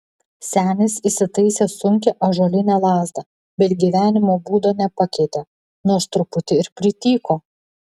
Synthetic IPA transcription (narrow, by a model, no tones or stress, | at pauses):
sʲæːnʲɪsisʲɪt̪ɐɪsʲeːsʊŋʲkʲɛʔoːʒoːlʲɪnʲæːlˠɑːzd̪ɐ | bʲɛt̪ɡʲiʋʲæːnʲɪmoːbuːd̪oːnʲɛpɐkʲɛɪt̪ʲe | nuɔst̪ɾʊpʊt̪ʲɪɪɾpʲɾʲɪt̪ʲiːkoː